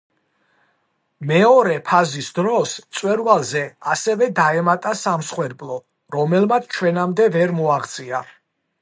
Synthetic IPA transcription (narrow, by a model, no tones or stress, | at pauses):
mɛɔɾɛpʰazisd̪ɾɔst̪sʼwɛɾvalˠzɛasɛvɛd̪aɛmat̪ʼasamsχwɛɾbʼlɔ | ɾɔmɛlmat̪sʰt͡ʃʰwɛnamd̪ɛvɛɾmɔaʁt̪sʼiaɾ